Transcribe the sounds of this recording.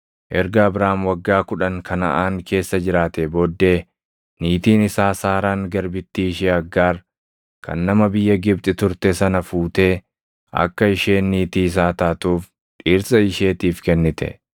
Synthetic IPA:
ʔɛɾɡɐːbɾaːmwɐɡːaːkʊᶑɐŋkʰɐnɐ̰ʔaːŋkʰe̞ːsːɐd͡ʒɪɾaːt̪ɛboːd̪ːe̞ː | niːt̪iːnɪsaːsaːɾaːŋɡɐɾbɪt̪ːiːɪʃeːɐɡːaːɾ | kɐ̰nːɐmɐbɪjːɐɡɪb̚t̪ʼɪt̪ʊɾt̪ɛsɐnɐfuːt̪e̞ː | ɐ̰kːɐɪʃeːnːiːt̪iːs̬aːt̪aːt̪uːf | ᶑiːɾsɐɪʃe̞ːt̪iːfkɛnːɪt̪ɛ̰

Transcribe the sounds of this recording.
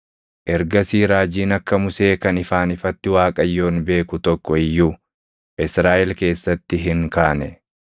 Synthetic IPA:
ʔɛɾɡɐsiːɾaːd͡ʒiːnɐkːɐmʊse̞ːkɐnɪfaːnɪfɐt̪ːɪwaːkʼɐjːo̞ːnbe̞ːkʊt̪ɔkːɔɪjːuː | ʔɪsɾaːʔɛlke̞ːsːɐt̪ːɪɦɪŋkaːnɛ

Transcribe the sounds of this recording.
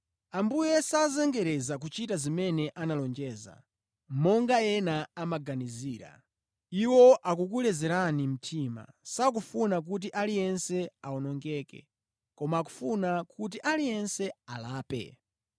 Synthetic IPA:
ambujɛsazɛŋɡɛɾɛzak̬ut͡ʃitazimɛnɛʔanalɔnd͡ʒɛːza̰ | mɔŋɡajɛnaamaɡaniziːɾa̰ | iwɔʔakuk̬ulɛzɛɾanim̩tʰiːma̰ | sak̬ufunak̬ut̬iʔalijɛnsɛaɔnɔŋɡɛːkɛ̰ | kɔmaːku̥funakut̬iʔalijɛnsɛalaːpɛ̰

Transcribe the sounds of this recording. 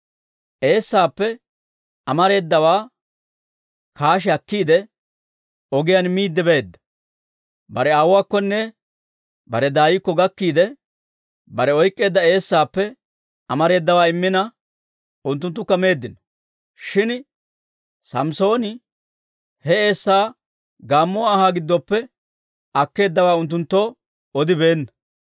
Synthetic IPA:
ʔe̞ːsːaːpːɛ | ɐmɐɾe̞ːd̪ːɐwaː | kaːʃ̬ɛɐkːiːd̪ɛ | ɔɡɪjanmiːd̪ːɪbeːd̪ːɐ̥ | bɐɾɛaːwʊwaːkːɔnːɛ | bɐɾɛd̪aːjɪkːɔɡɐkːiːd̪ɛ | bɐɾɛɔjkʼːe̞ːd̪ːɐe̞ːsːaːpːɛ | ɐmɐɾe̞ːd̪ːɐwaːɪmːɪnɐ | ʊnt̪̬ːʊnt̪ːʊkːɐme̞ːd̪ːɪnɐ | ʃɪn | sɐmso̞ːnɪ | hɛe̞ːsːaː | ɡaːmːɔːhaːɡɪd̪ːɔpːɛ | ɐkːe̞ːd̪ːɐwaːʊnt̪ːʊnt̪ːoː | ɔd̪ɪbe̞ːnːɐ

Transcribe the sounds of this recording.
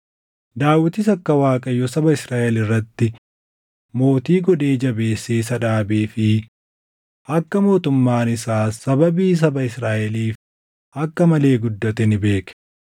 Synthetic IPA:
d̪aːwːɪt̪ɪs̬ɐkːɐwaːkʼɐjːɔsɐbɐɪsɾaːʔɛlɪrːɐt̪ːɪ | mo̞ːt̪iːɡɔd̪e̞ːd͡ʒɐbe̞ːsːeːs̬ɐᶑaːbeːfɪ | ʔɐkːɐmo̞ːt̪ʊmːaːnɪsaːsɐbɐbiːs̬ɐbɐɪsɾaːʔɛliːf | ʔɐkːɐmɐle̞ːɡʊd̪ːɐt̪ɛnɪbe̞ːkɛ̥

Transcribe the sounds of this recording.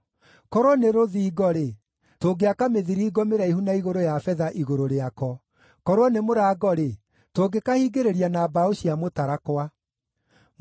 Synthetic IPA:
kɔɾwɔneɾoðiːɡɔɾe | toɡeakameðiɾiːɡɔmeɾaihunaiɣoɾojafɛðaʔiɣoɾoɾeakɔ | kɔɾwɔnemoɾaːɡɔɾe | toɡekahiɡeɾeɾianabaoɕiamotaɾakwa

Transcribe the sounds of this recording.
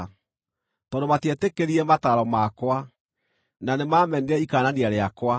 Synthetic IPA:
tɔdomatiɛtekeɾiɛmataːɾɔmakwa | nanemamɛnɛikaːnaniaɾeakwa

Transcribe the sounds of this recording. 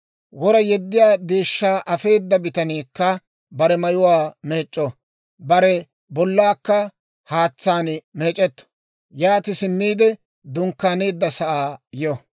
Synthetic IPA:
wɔɾɐjɛd̪ːɪjaːd̪eːʃːaːʔɐfe̞ːd̪ːɐbɪt̪ɐniːkːɐ | bɐɾɛmɐjʊwaːme̞ːt͡ʃʼːɔ | bɐɾɛ | bɔlːaːkːɐ | haːt͡sːaːnme̞ːt͡ʃʼɛt̪ːɔ̥ | jaːt̪ɪsɪmːiːd̪ɛ | d̪ʊŋkːaːneːd̪ːɐsɐʔaːjɔ

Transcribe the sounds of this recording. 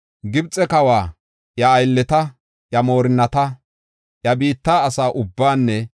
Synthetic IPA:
ɡɪbt͡sʼɛkɐwaː | jɐːjlːɛt̪ɐ | jɐmo̞ːɾɪnːɐt̪ɐ | jɐbiːt̪ːaːsaːʔʊbːaːnːɛ

